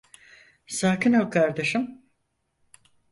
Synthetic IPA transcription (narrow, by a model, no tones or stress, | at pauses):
saːkinɦalˠkʰaɾd̪eʃɯm